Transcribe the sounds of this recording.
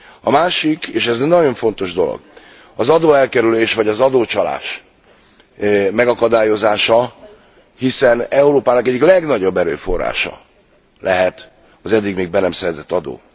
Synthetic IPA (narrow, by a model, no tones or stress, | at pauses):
ɒmaːʃikeːʃɛznɒɟo̞ɱfo̞n̪t̪o̞ʒd̪o̞lo̰ɡ̥ | ɒzɒd̪oːɛlkɛɾyleːʃvɒɟɒzɒd̪oːt͡ʃɒla̰ːʃ | mɛɡɒkɒd̪aːjo̞zaːʃɒ | hisɛnɛuɾoːpaːnɒkɛɟːiklɛɡnɒɟo̞bːɛɾø̰ːfo̞rːa̰ːʃɒ̰ | lɛɦɛt̪ | ɒzɛd̪ːiɡmeːɡ̚bɛnɛmsɛɾɛt̪ɛt̪ːɒd̪o̰ː